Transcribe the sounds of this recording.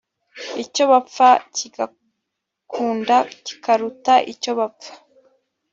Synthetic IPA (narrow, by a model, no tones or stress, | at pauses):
ico̞βap͡faciɡa | kʰuːndaci̥kʰaɾutaʔico̞βapp͡fḁ